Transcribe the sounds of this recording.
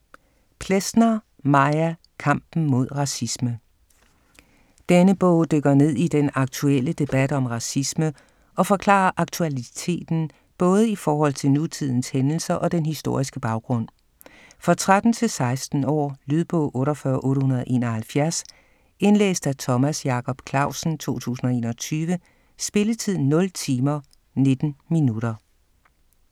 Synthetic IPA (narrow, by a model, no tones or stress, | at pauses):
pʰlesnɐ | mɑ̈ɪæ | kʰɑ̈m̰b̥n̩mo̝ð̞̰ˠʁɑ̈sismə | d̥enəb̥ɔ̰̽ʊ̰d̥øɡ̥ɐne̝ð̞̰ˠid̥enɑ̈ɡ̥̚t͡sʰuel̰əd̥e̝b̥æd̥ɒ̽mʁɑ̈sismə | ʔɒ̽fɒ̽kʰlɑ̰̈ːɐʔɑ̈ɡ̥̚t͡sʰuælit͡sʰe̝̰ːd̥n̩ | b̥ɔ̽ːð̞ˠəifɒːɦɒ̽l̰t͡sʰe̝lnut͡sʰið̞̰ˠn̩shenl̩sɐʔɒ̽d̥enhisd̥o̝ɐ̰isɡ̥əb̥ɑ̈ʊɡ̥ʁɔ̽n̰ | fʁɑ̈t͡sʰʁad̥n̩t͡sʰe̝lsɑ̈ɪsd̥n̩ɒ̰ːlyð̞ˠb̥ɔ̰ːʔɔ̽ːɾɒfɶɐʔɔ̽ːɾəhunɐðˠʔe̝̰ːnɐhælfjæɐs | e̝nlḛːsd̥æt͡sʰɒ̽mæsjɑ̈kʰɒ̽b̥kʰlɑ̈ʊ̰sn̩t͡sʰo̝̰ːt͡sʰṵːsn̩ɒ̽e̝̰ːnɒt͡sʰyːʋə | sb̥e̝lət͡sʰið̞̰ˠn̩nːɔ̽lt͡sʰiːmɐ | ne̝d̥n̩minuɾ̥ɐ